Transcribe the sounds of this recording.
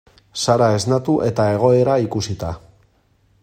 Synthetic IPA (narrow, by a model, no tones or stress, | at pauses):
saɾae̞znat̪uʔet̪ae̞ɣ̞o̞e̞ɾaikusit̪a